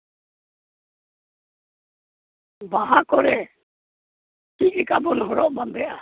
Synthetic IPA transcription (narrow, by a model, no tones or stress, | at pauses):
baɦakɔɾɛ | kic̚lɛkabɔnɦɔɾɔʔbambɛʔa